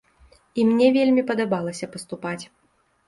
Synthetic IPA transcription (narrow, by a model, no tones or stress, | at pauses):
imnʲɛvʲelʲmʲipɐd̪abalˠɐsʲɐpɐst̪upat͡sʲ